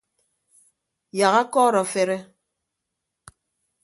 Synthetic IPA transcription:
ja˨ɣa˦kɔː˦˨ɾɔ˨fe˨ɾe˦

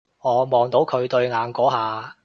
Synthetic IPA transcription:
ŋɔː˨˧mɔː˨ŋt̪o˨˥wkʰɵ˨˧ɥt̪ɵ˧ɥŋaː˨˧nkɔː˨˥ɦaː˨

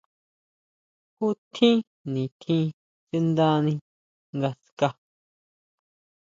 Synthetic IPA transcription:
ku˦t̪ʰĩ˦ | nĩ˨t̪ʰĩ˦˧ | t͡si˧nd̪a˧nĩ˧ | ŋɡa˧ska˧

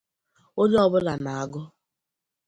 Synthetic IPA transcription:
o˦ɲe˦ɔ˦bʊ˦la˨na˨a˨ɡʊ˦

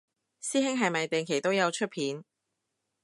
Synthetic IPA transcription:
siː˥ɦɪ˥ŋɦɐ˨jmɐ˨jt̪e˨˩ŋkʰe˨˩jt̪o˥wjɐ˨˧wt͡ʃʰɵ˥t̚pʰiː˨˥n

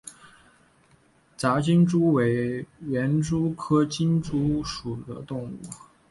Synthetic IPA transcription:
t͡sa˧˥t͡ɕi˥nʈ͡ʂu˥we˧˥ɪɥɛ˧˥nʈ͡ʂu˥kʰɤ˥t͡ɕi˥nʈ͡ʂu˥ʂu˨˩d̪ə̰˦t̪ʊ˥˧ŋṵ˥˩˥

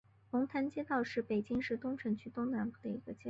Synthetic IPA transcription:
lʊ˧˥ŋt̪ʰa˥nt͡ɕjɛ˥t̪ɑ˥˧ʊʂɻ̩˥˩pe˨˩ɪt͡ɕi˥ŋʂɻ̩˥˧t̪ʊ˥ŋʈ͡ʂʰɤ˧˥nt͡ɕʰy˥t̪ʊ˥ŋna˧˥npu˥˩d̪ə˩i˧˥ɡ̥ə˧t͡ɕjɛ˥

